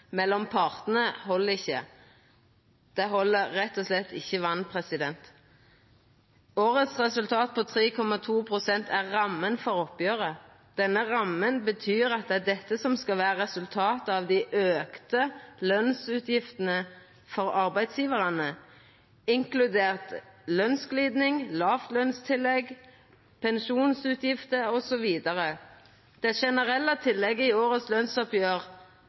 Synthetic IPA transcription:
mɛlːɔmpʰɑʁt̪ən̩əhɔlːəʁɪçːə̰ | d̪̥ɛɦɔlːəʁːɛt̪ːɔslɛt̪ːɪçːəʋɑnpʰʁɛsɪd̪ɛnt̪ | oːʁət̪sʁɛsʉlt̪ʰɑːt̪̚pʰoːt̪ʰʁiːkʰɔmɑt̪ʰuːpʰʁʊsɛnt̪ʰæʁːɑmːənfɔʁɔpjøːʁə | d̪̥ɛnːəʁɑmːənbət̪ʰyːʁɑt̪̚d̪ɛæd̪ɛt̪ːəsɔmskɑlʋæːɾəʁɛsʉlt̪ʰɑːt̪əɑʋd̪ɪʔøːkt̪əlœnsʉːt̪ʰjɪft̪ənə | fɔʁɑʁbæɪd̪sjiːʋəʁɑnə | ɪŋklʉd̪eːʁt̪lœnskliːd̪nɪŋlɑːft̪lœnst̪ʰɪlːɛɡ | pʰɛnʃuːnsʉːt̪ʰjɪft̪əɔsɔʋiːd̪əʁə | d̪̥ɛæʃɛnəʁɛlːət̪ʰɪlːɛɡəɪoːʁət̪slœnsɔpjøːʁ

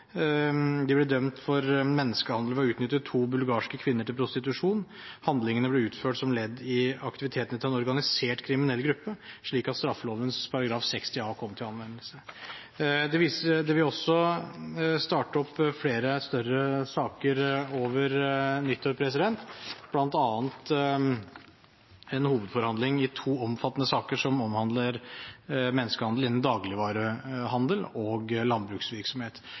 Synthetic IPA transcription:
d̪ɛblɛd̪œmt̪fɔɾmɛnːəskəhɑnd̪ləɔʉːt̪nʏt̪ːət̪ʰːuːbʉlɡɑːʂkəkʰʋɪnːəʈʰɪlpʰɾʊst̪ɪt̪ʉʂuːn | hɑnd̪lɪŋənəblɛʉːt̪føːʈsɔmlɛd̪ːɪɑkt̪ɪʋɪt̪ʰeːt̪ənət̪ʰɪlɛnɔɾɡɑnɪseːʈkʰɾɪmɪnɛlːɡɾʉpːəʂɭiːkɑt̪st̪ɾɑfːəloːʋənspʰɑɾɑɡɾɑːfsɛkst̪ɪɑkʰɔmːt̪ʰɪlɑnʋɛnːəlsə | d̪ɛʋisəd̪ɛʋɪɔsːɔ | st̪ɑːʈəɔpːfleːɾəst̪œrəsɑːkəɾoːʋəɾnʏt̪ʰːɔpʰɾɛs̬ɪd̪ɛnt̪b̥lɑnt̪ɑːnt̪ | ɛnhuːʋəd̪fɔɾhɑnd̪lɪŋɪt̪ʰuːɔmfɑt̪ːnəsɑːkəʂɔmɔmhɑnd̪ləɾ | mɛnːəskəhɑnd̪lɪnən̩d̪ɑːɡlɪʋɑːɾəɦɑnd̪əlɔːɡlɑnbɾʉːksʋɪɾksɔmheːt̪

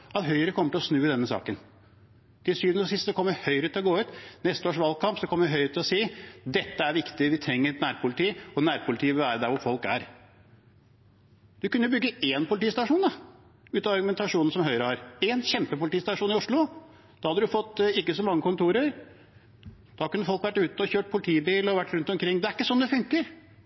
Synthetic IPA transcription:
ɑt̪ɦœʏəɾəkʰɔmːəʈʰɪlɔsnʉːəd̪ɛnːəsɑ̰ːkən | d̪̥ɪsyːnəɔsɪst̪sɔkʰɔmːəɾhœʏɾət̪ʰɪlɔɡoːʉːt̪nɛst̪əoːʂʋɑlɡkʰɑmpsɔkʰɔmːəɾʋɪɦœʏɾt̪ʰːɪlɔsiːd̪ɛt̪ːəæɾʋɪkt̪ɪʋɪt̪ʰɾɛŋːəɾnæːɾpʰʊlɪt̪ʰiːɔnæːɾpʰʊlɪt̪ʰiːəʋɪlʋæːɾəd̪æɾʋʊɾfɔlkæɾ | d̪̥ʉkʉnːəbʏɡːəeːnpʊlɪt̪iːst̪ɑʂuːnd̪ɑ | ʉːt̪ɑʋɑɾɡʉmɛnt̪ɑʂuːnn̩sɔmɦœʏɾəhɑɾɛnçɛmpəpʊlɪt̪iːst̪ɑʂuːnɪʊʂɭʊ | d̪̥ɑhɑd̪ədɾʉfɔt̪ːɪkːəsɔmɑŋːəkʰʊnt̪ʰuːɾəɾ | d̪̥ɑkʉnːəfɔlkʋæʈːʉːt̪ɔçøːʈ̚pʰʊlɪt̪ʰiːbiːlɔʋæʈːɾʉnt̪ɔmkʰɾɪŋːd̪ɛæɾɪkːəsɔnːd̪ɛfʉŋkəɾ

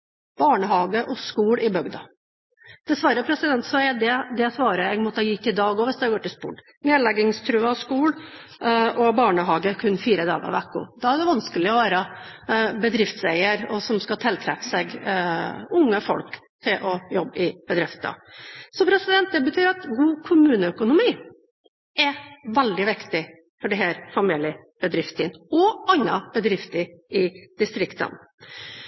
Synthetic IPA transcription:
b̥ɑːɳəhɑːɡəʔɔskuːɽɪbœɡd̪ɑ | d̪̥ɛsʋɑɾəpʰɾɛsɪd̪ɛnt̪sʋæɪəd̪ɛd̪ɛsʋɑːɾəɛɡmɔt̪ːəhɑːjʏt̪ːɪd̪ɑːɡɔʋɪsd̪ɛɡoːʈɪlspṵːʈ | neːd̪lɛɡɪŋst̪ʰɾʉːəskuːɽ | ʔɔbɑːɳəɦɑːɡəkʰʉnːfiːɾəd̪ɑ̰ːɡə̰ʋækːʊ̰d̪ɑæɖ̪ɛʋɑnskəlɪɔʋæːɾə | bəd̪ɾɪft̪sɛɪəɾɔsɔmskɑt̪ʰɛlt̪ʰɾɛfsɛɡ | ʊŋːəfɔ̰lk | t̪ʰɪlʔɔjɔbːɪb̥əd̪ɾɪft̪ə̰sɔpʰɾɛsɪd̪ɛnt̪̚d̪ɛbət̪ʰyːɾɑt̪ɡuːkʰʊmʉːnəœkʊnʊmiː | ɛʋɛld̪ɪʋɪkt̪ɪ | fɔɖɪɦæːɾfɑmiːlɪə | b̥əd̪ɾɪft̪ʰɪnɔɑnːɑb̥əd̪ɾɪft̪əɾɪd̪̥ɪst̪ɾɪkt̪ə̰n

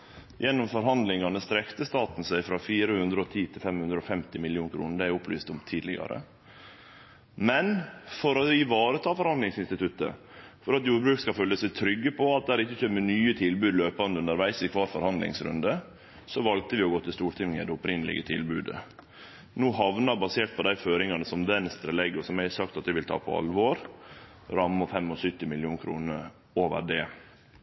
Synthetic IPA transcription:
jɛnːʊmfɔɾɦɑnd̪lɪŋɑnəst̪ɾɛkt̪əst̪ɑːt̪n̩sæɪfɾɑfiːɾəhʉnd̪ɾəɔt̪ʰiːt̪ʰɪlfɛmhʉnd̪ɾəɔfɛmt̪ɪmɪlɪuːnkʰɾuːnəd̪æɪʊplyːst̪ʊmt̪ʰiːd̪lɪ̰ɡɑ̰ɾə̰ | mɛnfɔɾɔɪʋɑːɾət̪ʰɑːfɔɾhɑnd̪lɪŋsɪnst̪ɪt̪ʰʉt̪ə̰ | fɔɾɑt̪juːɾbɾʉːkskɑfœlːəsæɪt̪ʰɾʏɡːəpʰɔɑt̪̚d̪ɛæhæːɾɪçːəçømːənyːət̪ʰɪlbʉːd̪løːpɑnəʉnəɾʋæɪsɪkʰʋɑːɾfɔɾhɑnd̪lɪ̰ŋsɾʉ̰nd̪ə | sɔʋɑl̚t̪əʋɪɔɡoːt̪ʰɪst̪uːʈ̪ʰɪmŋɪd̪ɛʊpɾɪnːəlɪ̰ɡət̪ʰɪ̰lbʉːd̪ə̰ | nuːɦɑʋnɑɾbɑseːʈ̪̚pʰɔd̪æɪføːɾɪŋɑnəsɔmd̪ɛnst̪ɾəlɛɡɪʊsɔmæɪsɑk̚t̪ɑt̪̚d̪ɪʋɪlt̪ʰɑ̰ːpʰɔ̰ɑ̰lʋoːɾ | ɾɑmːɔfɛmːɔsʏt̪ːɪmɪlɪuːnkʰɾṵːnəɾ | oːʋə̰ɖɛː

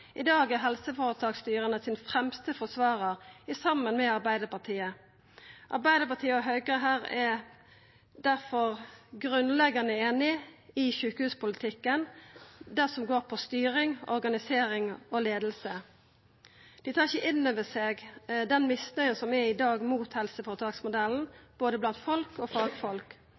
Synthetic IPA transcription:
ʔɪd̪ɑːɡæɦɛlsəfoːʁət̪ʰɑːkst̪yːʁənəsɪːnfʁɛmst̪əfɔsʋɑːʁəʁɪsɑmːənmɛɑʁbæɪd̪əpɑt̪ʰiːə | ʔɑ̰ʁbæɪd̪əpɑt̪ʰiːəɔɦœɡʁəɦæːʁɛ | d̪æʁfɔʁɡʁʉnlɛɡɑnəeːnɪɪʃʉːkəhʉːspʊlɪt̪ʰɪkːənd̪æʁsɔmɡoːʁpʰɔst̪yːʁɪŋɔ̰ɾɡɑnɪseːɾɪŋɔleːd̪l̩sə | d̪̥ɪt̪ʰɑːʁɪçəʔɪnːøːʋəseːɡd̪ɛnmɪsnœʏənsɔmɛɪd̪ɑːɡmuːt̪hɛlsəfoːʁt̪ʰɑːksmʊd̪ɛln̩b̥oːd̪əblɑnt̪fɔlkoːfɑːɡfɔlk

